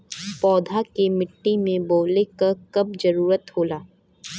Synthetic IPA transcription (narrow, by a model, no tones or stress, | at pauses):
pɔːd̪ʱakemɪʈːimẽboːlekɐkɐb̚d͡ʒɐɾuːɾət̪hoːlaː